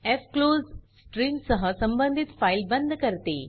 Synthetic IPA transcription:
efkloːzsʈɾiːmsɐɦəsɐ̃mbənd̪ʱit̪faːilbɐ̃nd̪ʱkɐɾt̪ḛː

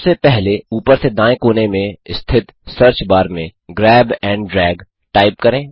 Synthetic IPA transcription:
sepɛɦleuːpəɾsed̪ãːẽkoːnemẽst̪ʰɪt̪səɾt͡ʃbaːɾmẽɡɾɛːbɛ̃ːɳɖɖɾɛːɡ | ʈaːɪp̚kɐɾẽː

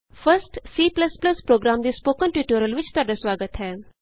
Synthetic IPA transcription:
fəɾsʈsiːplɐsplɐspɾoːɡɾaːmd̪iːspoːkənʈjuːʈuːɾəlʋɪt͡ʃt̪ʊaːɖasʋaːɡət̪ɦɛː

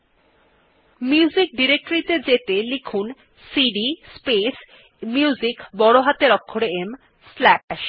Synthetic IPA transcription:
mjuzik̚ɖiɾek̚ʈoɾit̪ed͡ʑet̪elikʰun | siɖispes | mjuzikbɔɽoɦat̪eɾɔkʰːoɾeem | slæpɛʃ

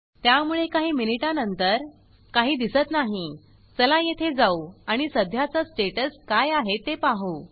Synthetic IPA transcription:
t̪jamuɭekaɦiːminiʈanənt̪əɾ | kaɦiːd̪isət̪naɦi | t͡səlajet̪ʰed͡zauaɽ̃isəd̪ʱjat͡sasʈeʈəskajaɦet̪epaɦuː

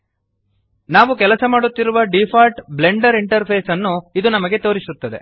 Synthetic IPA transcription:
naːʋukɛlɐsɐmaːɽut̪ːiɾuʋɐɖipʰaːlʈble̞ɳɖɐɾiɳʈɐɾpʰeːsɐnːuid̪unɐmɐɡe̞t̪o̞ːɾisut̪ːɐd̪e̞̰

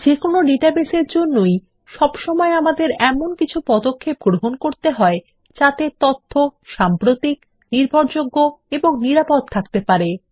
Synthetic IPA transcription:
d͡ʑekonoɖiʈabeseɾd͡ʑonːoj | ʃɔbʃɔmɔeamad̪eɾɛmonkit͡ɕʰupɔd̪okʰːepɡɾoɦonkoɾt̪eɦɔe | t͡ɕat̪et̪ɔt̪ʰːoʃampɾot̪ik | niɾbʱoɾd͡ʑoɡːoeboŋniɾapod̪̚t̪ʰakt̪epaɾe

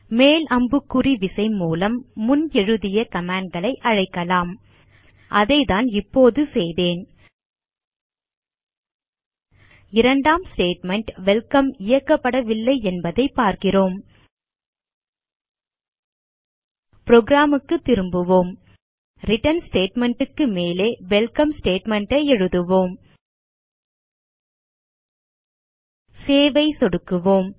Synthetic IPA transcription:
meːlʔɐmbɯkːʊriʋɪsɐɪmuːlɐmːʊnɛɻɯðɪjɐkɐmaːɳɖ̚ɡɐɭɐɪʔɐɻɐɪkːɐlaːm | ʔɐðɐɪðaːnɪpːoːðɯsɛjðeːn | ɪɾɐɳɖaːmsʈeːʈmɛɳʈʋɛlkɐmɪjɐkːɐpːɐɽɐʋɪlːɐɪɛnbɐðɐɪpːaːɾkɪroːm | pɾoːɡɾaːmɯkːɯt̪ːɪɾɯmbɯʋoːm | ɾɪʈɐnsʈeːʈmɛɳʈɯkːɯmeːleːʋɛlkɐmsʈeːʈmɛɳʈɐɪɛɻɯðɯʋoːm | seːʋɐɪsɔɽɯkːɯʋoːm

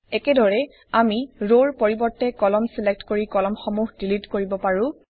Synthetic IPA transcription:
ɛkɛdɔɹɛ | amiɹoɹpoɹibɔɹtɛkɔlɔmsɛlɛk̚tkoɹikɔlɔmxɔmuɦdilitkoɹibɔpaɹũ

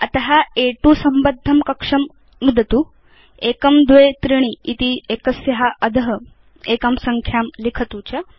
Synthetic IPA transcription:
ɐt̪ɐɦaeʈusɐmbɐd̪ʱːɐmkɐkʂɐm | nud̪ʱɐt̪uː | ekɐmd̪ʋet̪ɾiɽ̃iit̪iekɐsjɐɦaʔɐd̪ʱɐɦɐ | eːkɐmsɐŋkʰjaːmlikʰɐt̪uːt͡ɕɐ

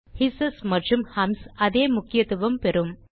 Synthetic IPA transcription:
hɪsɐsmɐʈrɯmhɐmsɐðeːmʊkːɪjɐt̪ːɯʋɐmpɛɾɯm

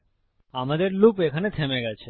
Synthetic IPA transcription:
amad̪eɾlupekʰanet̪ʰɛmɛɡat͡ʃʰe

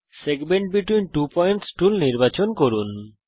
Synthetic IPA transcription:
seɡmeɳʈ̚biʈwinʈupɔjɳʈsʈulniɾbat͡ɕonkoɾun

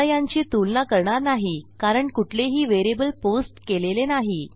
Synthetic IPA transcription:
jaɲt͡ɕiːt̪ulnakəɾɳaɾnaɦikaɾəɳkuʈʰleɦiːʋeɾebəlposʈkelelenaɦi

